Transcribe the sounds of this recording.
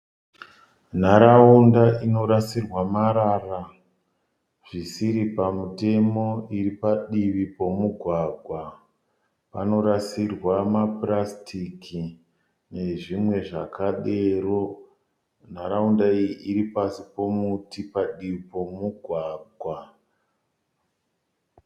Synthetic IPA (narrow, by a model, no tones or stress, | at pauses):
n̤aɾaundaino̞ɾasirwamaɾara | ʐ̥isiɾipamute̞mo̞iripaɗiʋipo̞muɡʱwaɡʱwa | pa̰no̞ɾasirwamaprastʰikʰi | ne̞ʐimwe̞ʐakaɗero̞ | n̤aɾaundaijiʔiɾipasipo̞mutipaɗiʋipo̞muɡʱwaːɡʱwa